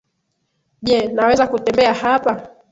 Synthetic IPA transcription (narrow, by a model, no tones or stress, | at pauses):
ʄɛnawɛzakutɛmbɛahapa